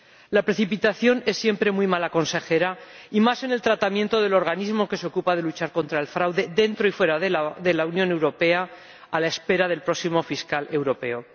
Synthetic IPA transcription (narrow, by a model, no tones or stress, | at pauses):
lapɾe̞θipit̪aθjo̞ne̞sːje̞mpɾe̞mujmalako̞nse̞xe̞ɾaimase̞ne̞lt̪ɾat̪amjẽnt̪oðe̞lo̞ɾɣ̞anizmo̞ke̞seo̞kupað̞e̞lut͡ʃaɾko̞nt̪ɾae̞lfɾawðe̞ðe̞nt̪ɾo̞ifwe̞ɾaððe̞lauwnjone̞wɾo̞pe̞a | alae̞spe̞ɾaðe̞lpɾo̞ksimo̞fiskale̞wɾo̞pe̞o